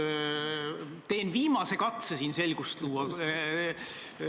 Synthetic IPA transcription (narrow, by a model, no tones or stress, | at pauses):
t̪e̞ːnviːmɑse̞kɑt̪sesiːnse̞lɡ̥ust̪luːɑ